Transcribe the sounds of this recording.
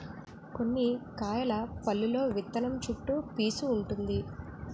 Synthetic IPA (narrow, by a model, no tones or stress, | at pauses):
ko̞nːikaːjɐlɐpɐlːulo̞ːʋit̪ːɐnɐmt͡ʃuʈːupiːsuːɳʈund̪i